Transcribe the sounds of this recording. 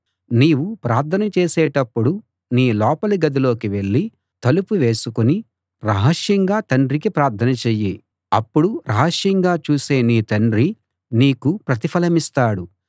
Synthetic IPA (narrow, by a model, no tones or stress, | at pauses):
niːwupɾaːɾt̪ʰɐnɐt͡ʃeːsɛːʈɐpːuɽu | niːlɔːpɐluɡɐd̪ilo̞ːkiʋe̞ɭːi | t̪ɐlupuʋeːsukuni | ɾɐɦɐʂjɐŋɡaːt̪ɐɳɖɾikipɾaːɾt̪ʰɐnɐt͡ʃeːji | ɐpːuɽuɾʔɐɦɐʂjɐŋɡaːt͡ʃuːseːniːt̪ɐɳɖɾi | niːkupɾɐt̪ipʰɐlɐmist̪aːɽu